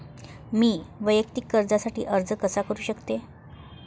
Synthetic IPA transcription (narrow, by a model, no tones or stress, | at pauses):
miːʋəjəkt̪ikːəɾd͡zasaʈḭːʔəɾd͡zəkəsakəɾuːɕəkt̪e